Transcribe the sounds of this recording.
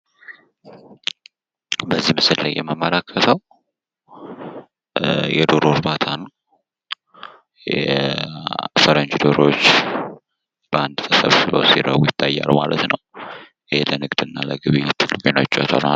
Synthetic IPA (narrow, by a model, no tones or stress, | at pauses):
bəzːihmɨsɨllajːɛməmːəlakʰːət̪ʰəw | jɛd̪oɾo̞ɾbat̪ʰanəw | jj | fəɾənd͡ʒd̪oɾo̞t͡ʃː | b̥əand̪sʼəfəβsɨβə̰wsiɾəwujɪt̪ʰːajːa̰lma̰lət̪nəw | helənɨɡd̪ɨnːalə̰ɡɨβit̪ʰɨlːɨkʼenoɪt͡ʃʼːot̪ʰonal